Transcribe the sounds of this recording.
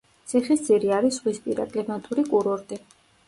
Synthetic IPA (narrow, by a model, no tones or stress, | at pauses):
t̪sʰiχisd̪sʰʼiɾiaɾisʁwispʼiɾa̰kʼlɛmat̪ʼuɾikʼuɾɔɾt̪ʼi